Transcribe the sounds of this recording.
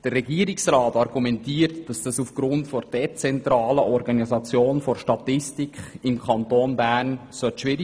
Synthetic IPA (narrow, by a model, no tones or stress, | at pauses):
d̥ərːɛɡiːəɾɪksrɑːtɑɾɡumɛntiːəɾtd̥ɑsd̥ɑsufɡ̥ɾʊntfɔɾd̥ɛt͡sɛntɾɑːləʔɔɾɡɑnizɑt͡sjoːnfɔɾʃtɑtɪstikχɪmkʰɑntoːnbæːnsœtʃʋɪɾ